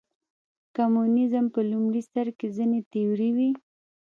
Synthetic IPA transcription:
kamunɪzəmpəlumɽist̪aɾkezinet̪ejoɾiwi

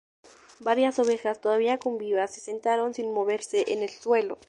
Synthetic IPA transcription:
baɾjaso̞βe̞xast̪o̞ðaβ̞iakombiβase̞se̞nt̪aɾo̞nsinmo̞βe̞ɾse̞ʔene̞lswe̞lo̰

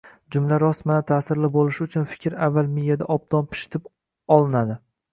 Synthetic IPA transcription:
d͡ʒʊmlaɾɒsmanat̪ʰaːsɪɾlɪbolˠɪʃʊt͡ʃʰʊnfɪ̥kʲɾavːalˠmɪjad̪aʔɒb̚d̪̥ɒnpʰɪ̥ʃɪ̥t̪ʰɪp | ɒlˠɪnad̪ɪ

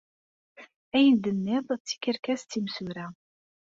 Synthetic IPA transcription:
æjənd̪ənːɪðˤt͡sːi̥kəɾkæst̪ːimsuɾæ

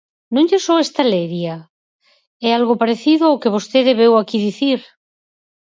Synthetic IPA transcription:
nũnʎesoest̪aleɾja | ɛalɣopaɾeθiðoaowkeβ̞ost̪eðeβewakiðiθiɾ

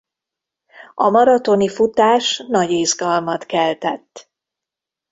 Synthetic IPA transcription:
ɒmɒɾɒt̪o̞nifut̪aːʃnɒɟeːzɡɒlmɒt̪kɛlt̪ɛt̪ː

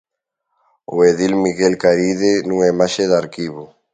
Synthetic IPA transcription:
oeðilmiɣelkaɾiðenũŋɛmaʃeðaɾkiβo

